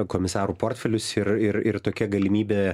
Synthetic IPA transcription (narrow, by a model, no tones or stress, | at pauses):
koːmʲɪsɑːɾuːpoːrʲt̪ʲfʲɛlʲʊsɪɾɪɾɪrt̪oːkʲiɛɡɐlʲɪmʲiːbʲeː